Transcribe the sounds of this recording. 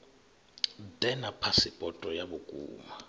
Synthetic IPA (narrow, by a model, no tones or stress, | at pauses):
dɛnapʰasipʼɔtʼɔjaɓukʼṵːma